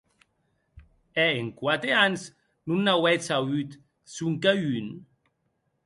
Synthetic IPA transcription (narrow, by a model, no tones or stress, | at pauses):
ɛeŋkwat̪eans | nunːawɛt͡sawyt̪ | suŋkayn